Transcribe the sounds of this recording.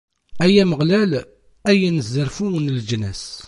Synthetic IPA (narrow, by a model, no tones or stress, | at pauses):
æjæməʁlæl | æjænəzːəɾfuwənld͡ʒnæ̰s